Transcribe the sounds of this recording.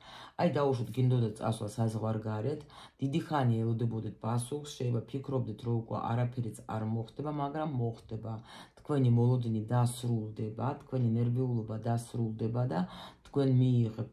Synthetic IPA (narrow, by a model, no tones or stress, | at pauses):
ajd̪auʃwat̪ʰɡind̪ɔd̪at̪t̪sʼa̰swlˠa̰sazʁwaɾɡaɾɛt̪ʰd̪̥id̪iχaniaɛlˠɔd̪ɛbɔd̪ɛt̪̚ʰpʼasuχsʃɛbapʰikʰɾɔb̚d̪ɛt̪ʰɾɔukʼwɛ̰ʔa̰ɾapʰɛɾit̪sʰa̰ɾmɔχd̪ɛbamaɡɾamːɔχd̪̥ɛbat̪ʰkʰwɛnimɔlˠɔd̪inid̪asɾulˠd̪ɛbat̪ʰkʰwɛninɛɾviulˠɔbad̪asɾulˠd̪ɛbad̪at̪ʰkʰwɛnmiːʁɛp̪